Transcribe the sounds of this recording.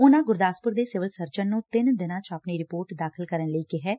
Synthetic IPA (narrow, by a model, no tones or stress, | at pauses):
ʊnãːɡʊɾd̪aːspʊɾd̪eːsɪʋəlsəɾt͡ʃənːũːt̪ɪnd̪ɪnãːt͡ʃapniːɾɪpoːɾʈd̪aːkʰəlkəɾənləiːkɪɦɛː